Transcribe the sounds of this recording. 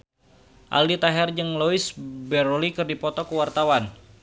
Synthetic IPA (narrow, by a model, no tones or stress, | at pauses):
ʔa̰ldit̪aɦɛrd͡ʒəŋloɪsbɛɾolikɨrdipɔt̪ɔkəwart̪awan